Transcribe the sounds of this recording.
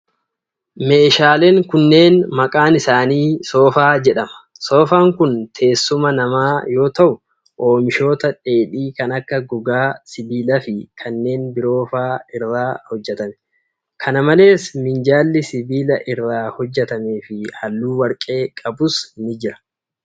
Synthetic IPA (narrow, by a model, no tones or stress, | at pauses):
me̞ːʃaːleːŋkʊnːe̞ːnmɐkʼaːnɪsaːniːso̞ːfaːd͡ʒɛᶑɐmɐ̥ | so̞ːfaːŋkʊnt̪ʰe̞ːsːʊmɐnɐmaːjo̞ːt̪ɐʔʊ | ʔoːmɪʃo̞ːt̪ɐᶑe̞ːᶑiːkɐnɐkːɐɡɔɡaːsɪbiːlɐfɪkʰɐnːe̞ːnbɪɾo̞ːfaːɪrːaːhɔd͡ʒːɛt̪ɐmɛ | kʰɐnɐmɐle̞ːsmɪnd͡ʒaːlːɪsɪbiːlɐʔɪrːaːhɔd͡ʒːɛt̪ɐme̞ːfɪhɐlːuːwɐɾkʼe̞ːkʼɐbʊshɪnɪd͡ʒɪɾɐ̥